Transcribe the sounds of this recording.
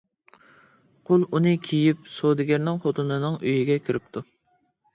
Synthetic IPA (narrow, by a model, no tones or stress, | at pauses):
qʰʊlˠunɨkʲʰijipsod̪ɪɡʲɪɾnɪŋχot̪ʰunɨnɨŋøjiɡʲɛkʲʰiɾɪp̚t̪ʰu